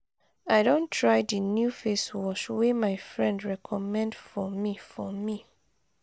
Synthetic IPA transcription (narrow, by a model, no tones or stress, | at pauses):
aɪdõntʰɹajdinjufeswɔʃwemaɪfɹɛ̃ndɹɛkʰɔmɛ̃ndfɔmifɔmi